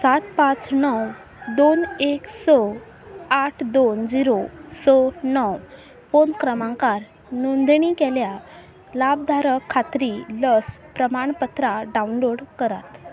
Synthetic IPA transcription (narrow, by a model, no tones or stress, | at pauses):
sat̪pãt͡snɔw | d̪oneksɔ | aʈʰd̪ond͡ʑiɾosɔnɔw | fonkɾəmãŋkaɾ | nund̪ɳ̃ikɛlja | lab̚d̪ʱaɾəkʰːat̪ɾiləspɾəmaɳpət̪ɾaɖaunloɽkəɾa̰t̪